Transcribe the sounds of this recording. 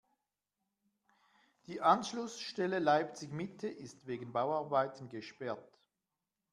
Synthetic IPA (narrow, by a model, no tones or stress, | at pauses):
d̥iːʔanʃlʊsʃtɛləlaɪpt͡sɪɡmɪtʰəʔɪstveːɡən̩baʊɑʁbaɪtən̩ɡəʃpɛɐt